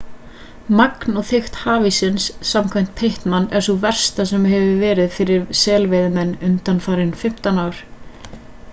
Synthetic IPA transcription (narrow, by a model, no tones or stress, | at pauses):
maknɔɣθɪxt̪haːvisɪnsːamkʰvajm̥t̪̚pʰejht̪manːɛɾ̥suvɛr̥st̪asɛmɦɛvɪvɛːɾɪðfɪɾɪɾsɛːlvejðʏmɛnːʏnt̪anfaːɾɪnfɪm̥t̪anaːwɾ̥